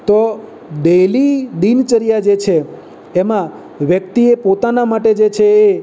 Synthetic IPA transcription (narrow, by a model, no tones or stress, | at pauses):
t̪o | d̪elid̪int͡ʃəɾijad͡ʒet͡ʃʰeː | mã | ʋjəkt̪iepot̪anamaʈed͡ʒet͡ʃʰeː